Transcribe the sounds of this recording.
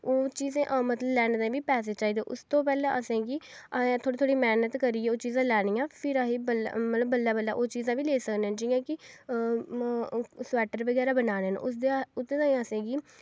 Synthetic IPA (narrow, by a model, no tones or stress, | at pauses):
oːt͡ʃiːzãːʔmət̪ləblɛːñd̪ãːʋiːpɛːs̬eːt͡ʃaːiːd̪eːʔʊst̪õːpɛːlãːʔəsẽːɡĩː | t̪ʰoːɽiːt̪ʰoːɽiːmɛːnət̪kəɾiːɛːoːt͡ʃiːzãːlɛːɽ̃ijãːpʰɪɾaɦiːbəlmət̪ləbːəlːaːbəlːa̰ːʔoːt͡ʃiːzãːʋiːleːsəkneːɛ̃nd͡ʒiːjãːkɪ | swɛːʈəɾʋəɡɛːɾaːbənaːneːn̰ʊd̪eʊt̪ːeːd̪ãːĩəsẽːɡiː